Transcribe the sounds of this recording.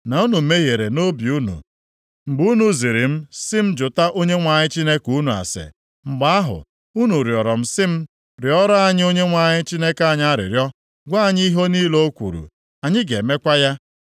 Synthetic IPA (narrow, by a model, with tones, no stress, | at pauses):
na˨u˦nu˨me˦ɦje˨ɾe˨no˦bi˨u˦nṵ˨ | ŋ͡m̩˨ɡ͡bu˦nu˨zi˨ɾi˨m̩˦sɪ˦m̩˦d͡ʒʊ˨ta˦ʔo˦ɲe˦ŋʷa˨ɲɪ˦t͡ʃi˦ne˦ku˦nu˨a̰˨sɪ̰˨ | ŋ͡m̩˨ɡ͡ba˦a˦ɦʊ̰˨ | u˦nu˨ɾjɔ˨ɾɔ˨m̩˦sɪ˦m̩˦ | ɾjɔ˦ɾa˦ɲɪ˦o˦ɲe˦ŋʷa˨ɲɪ˦t͡ʃi˦ne˦ka˦˨ɲa˦a˦ɾɪ̰˨ɾjɔ˦ | ɡʷa˦a˦˨ɲ˦i˦ɦo˦niː˦lo˦o˦kʷṵ˨ɾṵ˨ | a˨ɲɪ˦ɡe˨me˦kʷa˦ja˦